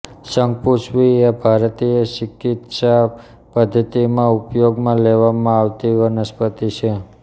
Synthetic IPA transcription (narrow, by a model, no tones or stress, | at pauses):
ʃəŋɡ̚puʃʋiebʱaɾt̪iəʃikit̪ʃa | pəd̪ʱːət̪imãupjoɡmãleʋamãaʋt̪iʋənəspət̪it͡ʃʰe